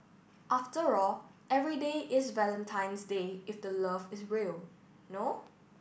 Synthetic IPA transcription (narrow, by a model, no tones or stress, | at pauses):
ʔaftəɹɔlɛvɹideʔɪsvɛlə̃ntʰãɪ̃nsdeɪfdələvɪsɹiəl | no